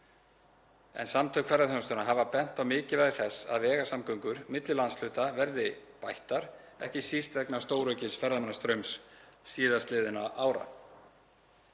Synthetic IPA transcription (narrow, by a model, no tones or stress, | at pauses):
ɛ̰nsamt̪ʰœkfɛɾðaθœnst̪ʏnaɦaːvapɛn̥t̪awmɪːcɪvɛðɪ̥θɛsa̰ðvɛːɣasamkœɥŋkʏɾmɪt̪lɪlansl̥ʏːt̪avɛɾðɪpajht̪aɾ̥ | ɛ̰hcɪsist̪vɛknḁst̪oːwɾœɥcɪnsfɛɾðamɛnast̪ɾœɥmsːiːðast̪lɪːðɪnaʔaːwɾa̰